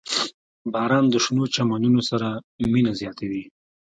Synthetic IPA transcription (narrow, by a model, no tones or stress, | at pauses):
bɑɾɑnd̪əʃnot͡ʃamanunosaɾa | minazjɑt̪awi